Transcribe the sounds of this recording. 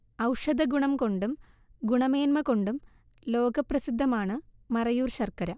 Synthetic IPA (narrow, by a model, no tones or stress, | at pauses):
ɐwʂɐd̪ɐɡuɳɐmko̞ɳɖum | ɡuɳɐme̞ːnmɐko̞ɳɖum | lo̞ːɡɐprɐsid̪ʱːɐmaːɳɨmɐrɐjuːrɕɐrkɐɾɐ